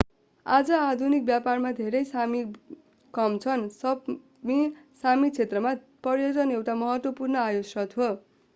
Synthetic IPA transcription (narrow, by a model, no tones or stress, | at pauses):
ad͡zʌad̪ʱunik̚bjaparmad̪ʱeɾʌjsami | kʌmt͡sʰʌnsʌ | misamit͡sʰet̪rʌma | pʌjod͡zʌnewʈamʌɦʌt̪wʌpurnʌajosrʌt̪ʰo